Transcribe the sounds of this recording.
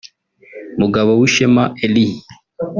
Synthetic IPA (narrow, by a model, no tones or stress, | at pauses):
muɡaβowiʃemaelihi